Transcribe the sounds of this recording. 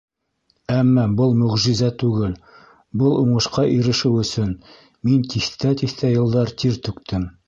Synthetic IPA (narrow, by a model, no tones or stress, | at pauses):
æmːɑbɤlˠmɵ̆ʁʒĭzæt̪ʉɡɘl | bɤlˠuɴɤ̆ʃqɑʔiɾɘ̆ʃɘwɵ̆sɵn | mint̪iθt̪æt̪iθt̪æjɤ̆lˠd̪ɑɾt̪iɾt̪ɵ̆kt̪ʰɘm